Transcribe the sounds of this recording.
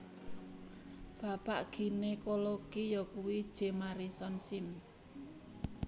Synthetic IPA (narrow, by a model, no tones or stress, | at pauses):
b̥a̤paʔɡ̥i̤nekoloɡ̥ijɔkuwid̥ʒ̥e̤maɾisɔnsɪm